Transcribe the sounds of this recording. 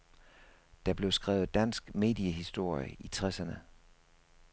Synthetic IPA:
d̥ɑ̈b̥le̝ʊsɡ̥ʁɛ̰ːʊð̩ˠd̥æn̰sɡ̥me̝̰ːd̥iəɦisd̥o̝ɐ̰jəʔit͡sʰʁasɐnə

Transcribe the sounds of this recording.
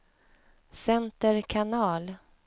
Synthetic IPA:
sɛnt̪əɾkʰanɑːl

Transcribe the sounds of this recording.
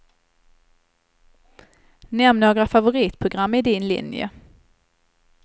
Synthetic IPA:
nɛmnoːɡɾafavʊɾiːt̪pʰɾʊɡɾamːɪd̪ɪnlɪ̰njə̰

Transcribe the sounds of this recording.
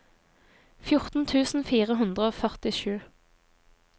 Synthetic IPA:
fjʊʁt̪n̩t̪ʰʉːsn̩fiːʁəɦʉnd̪ʁəoːfœʁt̪ɪʃʉː

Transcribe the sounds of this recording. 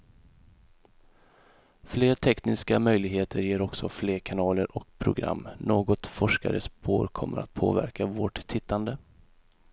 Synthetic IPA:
fleːʈʰɛknɪskamœjlɪɡɦeːt̪ʰəɾjeːɾɔksɔfleːɾkʰanɑːləɾʔɔk̚pʰɾʊɡɾa̰mːnoːɡɔt̪fɔʂka̰ɾəspoːɾkʰɔmːəɾa̰t̪̚pʰoːvæ̰ɾkavoːʈ̪ʰɪt̪ːand̪ə

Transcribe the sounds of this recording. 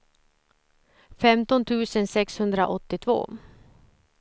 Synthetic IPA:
fɛmt̪ɔnt̪ʰʉ̟ːsənsɛkshɵnd̪ɾa̰ʔɔt̪ːɪt̪ʰvo̰ː

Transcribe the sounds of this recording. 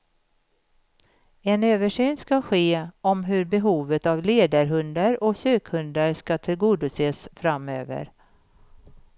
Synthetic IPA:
ɛnøːvəʂyːnskaɧeːɔmɦɵɾbɛɦuːvət̪avleːd̪aɾɦɵnd̪aɾɔɕøːkhɵnd̪aɾʂkat̪ʰɪlɡuːd̪ɵseːsfɾamøːvə̰ɾ

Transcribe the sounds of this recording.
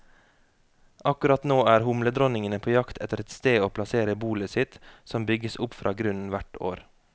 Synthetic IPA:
ʔɑkʉɾɑt̪noːæːɾhʊmləd̪ɾɔnɪŋənəpʰoːjɑkt̪ʰɛt̪əɾɛt̪st̪eːoːpʰlɑseːɾəbuːləsɪt̪sɔmbʏɡəsʊpfɾʔɑ̰ːɡɾʉnn̩ʋæʈo̰ːɾ

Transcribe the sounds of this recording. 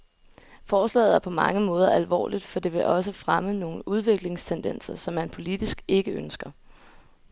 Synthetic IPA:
fɒːslɛ̰ːð̩ˠæɐpʰɒ̽mɑ̈ŋəmɔ̽ːð̞ˠɐʔælʋɒ̰ːlid̥fɒ̽d̥e̝ʋe̝ʔɒ̽s̬əfʁaməno̝ːn̩uð̞ˠʋe̝ɡ̥le̝ŋst͡sʰend̥en̰sɐsɒ̽mːænpʰo̝lid̥isɡ̥e̝ɡ̥əønsɡ̥ɐ

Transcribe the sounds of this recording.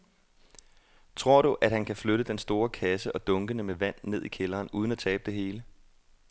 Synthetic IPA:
t͡sʰʁo̝ɐ̰ɾ̥uʔæd̥hænkʰæfløɾ̥əd̥ensd̥o̝ːɐkʰæsəʔɒ̽d̥ɔ̽ŋɡ̥ənəmeʋæn̰ːe̝ð̰ˠikʰelɐːnuːð̞ˠən̩æt͡sʰɛ̰ːb̥əd̥e̝ɦe̝ːlə

